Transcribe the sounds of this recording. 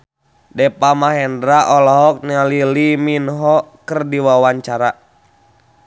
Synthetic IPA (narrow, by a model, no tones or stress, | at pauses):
dɛpamaɦɛndɾaʔɔlɔɦɔk̚naliliminɦɔkɨrdiwawaɲt͡ʃaɾa